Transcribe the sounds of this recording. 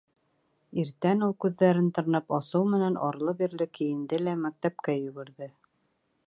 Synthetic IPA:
iɾt̪ænulˠkʉðːæɾɘnt̪ɤ̆ɾnɤpɑsɤwmɘ̆nænʔɑɾlˠɤbiɾlɘkɘ̆jɘ̆nd̪ɘlæmæk̚t̪æp̚kæjɵ̆ɡɘ̆ɾðɘ

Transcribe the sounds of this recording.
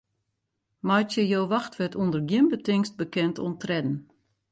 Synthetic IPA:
majtjəjoːʋaxtʋɛtundərɡjəmbətɪŋst̚bəkɛntʰṵntrɛdn̩

